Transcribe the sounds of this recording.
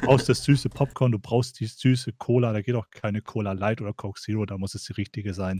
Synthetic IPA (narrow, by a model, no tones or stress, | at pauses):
bʁaʊxst̚d̥asz̥yːsəpʰɔp̚kʰɔɐnduːbʁaʊxst̚d̥iːz̥yːsəkʰoːladaːɡeːtaʊxkʰaɪnəkʰoːlalaɪtʔoːdɐkʰɔkz̥iːʁodaːmʊsɛsd̥iːʁɪçtɪɡəzaɪn